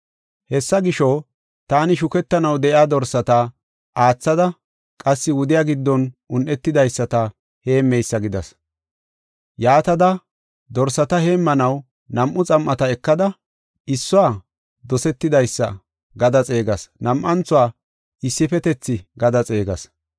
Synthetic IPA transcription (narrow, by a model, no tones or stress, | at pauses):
hɛsːɐɡɪʃɔ | t̪aːnɪʃʊkɛt̪ːɐnɐwd̪ɛʔɪaːd̪ɔɾsɐt̪a | ʔaːt͡sːɐd̪ɐ | kʼɐsːɪwʊd̪ɪjaɡɪd̪ːɔnʔʊnʔɛt̪ːɪd̪ɐjsːɐt̪ɐ | he̞ːmːɛjsːɐɡɪd̪ɐ̰s | jaːt̪ɐd̪ɐ | d̪ɔɾsɐt̪ɐhe̞ːmːɐnɐw | nɐmʔːʊt͡sʼɐmːɐt̪ɐɛkːɐd̪ɐ | ɪsːʊaː | d̪ɔsɛt̪ːɪd̪ɐjsːɐ̰ | ɡɐd̪ɐt͡sʼe̞ːɡɐsnɐmʔɐnt͡sʊaː | ɪsːɪfɛt̪ɛt͡sːɪɡɐd̪ɐt͡sʼe̞ːɡɐ̰s